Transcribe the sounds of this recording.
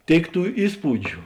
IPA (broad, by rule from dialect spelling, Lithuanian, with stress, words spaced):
ˈtʲeːɪk ˈtuː ˈiːspuːd͡ʒʲʊ